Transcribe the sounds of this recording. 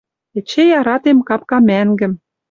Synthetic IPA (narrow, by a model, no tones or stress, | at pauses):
ĕt͡ɕejɑɾɑt̪emkɑp̚kɑmæŋɡɘ̆m